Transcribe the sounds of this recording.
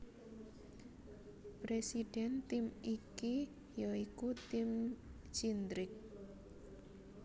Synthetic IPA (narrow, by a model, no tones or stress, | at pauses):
pɾesid̥ɛnt̪ɪmiki | jaikut̪ɪm | t͡ʃind̪ɾɪk̚